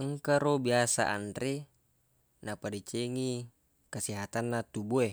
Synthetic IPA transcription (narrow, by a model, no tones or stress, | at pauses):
əŋkaɾobiasa̰ʔa̰ndɾe | napadit͡ʃeŋi | kasiɦat̪anːat̪ubue